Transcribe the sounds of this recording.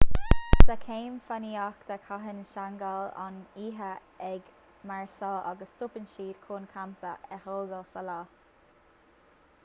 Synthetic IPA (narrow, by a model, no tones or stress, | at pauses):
sakʰeːmfaniakd̪̥əkʰaɦənəʃaŋɡala̰niːɦə | ɛɡ | maɹsɑːʔaɡəstʰʊpənʃiːd̪̥kʰoːnkʰamt̪əʔɛholɡəlsalɑː